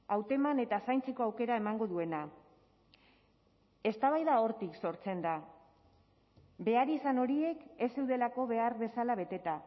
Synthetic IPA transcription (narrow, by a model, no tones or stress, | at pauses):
awt̪e̞mane̞t̪asajnt͡seko̞awke̞ɾae̞maŋɡo̞ðue̞na | e̞st̪aβ̞ajðao̞ɾt̪ikso̞ɾt͡se̞nd̪a | be̞aɾisano̞ɾie̞ke̞sewðe̞lako̞βe̞aɾβe̞salaβ̞e̞t̪e̞t̪a